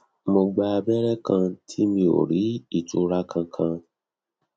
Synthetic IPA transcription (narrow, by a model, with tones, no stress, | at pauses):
mo˧ɡ͡ba˧a˧bɛ˦ɾɛ˦kʰã˧tʰi˦mĩ˧o̰˨ɾi˨˦i˦˨tṵ˧ɾa˦kʰã˧kʰã˧